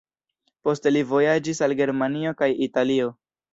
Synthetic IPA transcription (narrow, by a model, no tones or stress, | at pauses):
po̞ste̞livo̞jad͡ʒisalɡe̞ɾmanio̞kajitalio̞